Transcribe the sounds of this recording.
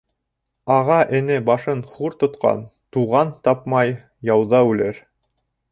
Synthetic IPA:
ɑʁɑʔɘ̆nɘbɑʃɤnχuɾt̪ŏt̪qɑ̰nt̪uʁɑnt̪ɑpmɑj | jɑwðɑʉlɘɾ

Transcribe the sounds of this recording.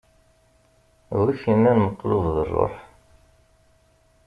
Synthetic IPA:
wiçənːænməqːlʊðˤðərˤːo̰ħ

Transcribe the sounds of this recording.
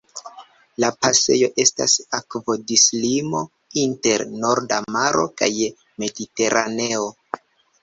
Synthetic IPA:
lapase̞̰jo̞ʔe̞sta̰sakvo̞dislimo̞ | inte̞ɾno̞ɾdamaɾʔo̞̰ka̰j | me̞dite̞ɾʔane̞o̞

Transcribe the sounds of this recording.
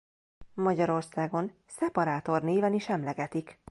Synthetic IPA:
mɒɟɒɾo̞rsaːɡo̞n | sɛpɒɾaːt̪o̞rneːvɛniʃɛmlɛɡɛt̪ik

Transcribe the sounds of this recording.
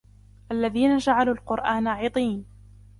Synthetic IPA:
ʔalːaðiːnad͡ʒaʕaluːlqʊɾʔaːnaʕit̪ˤiːn

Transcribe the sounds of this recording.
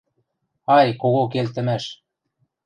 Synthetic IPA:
ɑjkoɣok̬elt̪ə̆mæʃ

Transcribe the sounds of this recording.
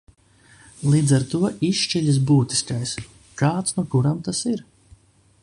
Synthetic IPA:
lˠiːd̪zaɾt̪uɔʔiʃt͡ʃɛʎʲis̬buːt̪i̥skajs | kaːt̪snuɔkuɾamt̪asiɾ

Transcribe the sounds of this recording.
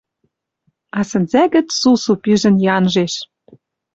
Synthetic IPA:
ɑsɘ̆nzæɣɘ̆t͡ssusupiʒɘ̆njɑnʒeʃ

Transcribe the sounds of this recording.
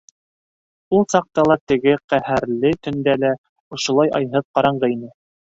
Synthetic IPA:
ulˠsɑq̚t̪ɑlˠɑt̪ɘ̆ɡɘqæhæɾlɘt̪ɵ̆nd̪ælæ | ŏʃŏlˠɑjɑ̰jɦɤðqɑɾɑɴɢɤinɘ

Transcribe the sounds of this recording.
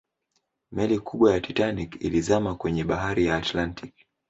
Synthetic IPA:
mɛlikʰuɓwajatitanikḭlizamakwɛɲɛɓaɦaɾijaːtlantik̚

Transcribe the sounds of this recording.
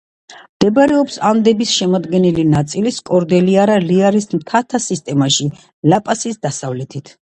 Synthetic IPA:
md̪̥ɛbaɾɛɔpsand̪ɛbisʃɛmɔd̪ɡɛnilinat̪sʼiliskʼɔɾd̪ɛliaɾaliaɾismt̪ʰat̪ʰasist̪ʼɛmaʃi | lapʼasisd̪asavlɛt̪ʰit̪ʰ

